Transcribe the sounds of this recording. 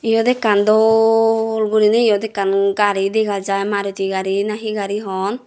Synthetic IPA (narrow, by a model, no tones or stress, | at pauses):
ijɔd̪ɛkːand̪ɔː | lɡuɾinɛijɔd̪ɛkːanɡaɾid̪ɛɡad͡ʒajmaɾut̪iɡaɾinaɦiɡaɾiɦɔn